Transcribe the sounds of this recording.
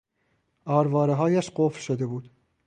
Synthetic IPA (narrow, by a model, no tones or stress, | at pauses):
ʔɒːɾvɒːɾeɦɒːjæʃɢofɾʃod̪e̞buːd̪̥